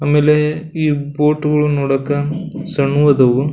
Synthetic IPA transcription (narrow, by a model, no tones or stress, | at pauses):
ɐmːeːleiːboːʈːuɣɐɭunɔɽɐkːɐmsɐɳːuʋɐðɐʋɯ